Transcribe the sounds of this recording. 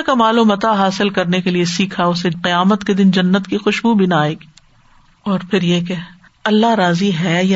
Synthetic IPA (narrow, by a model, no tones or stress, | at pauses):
kamaːluːmɐt̪aɦaːsɪlkɐɾnekeliesiːkʰaʊseqɪjaːmət̪ked̪ɪnd͡ʒɐnːət̪kixʊʃbubʱinaːeɪːki | ɔːɾpʰɪɾjeke | ɐlːaɾaːziɦɛːja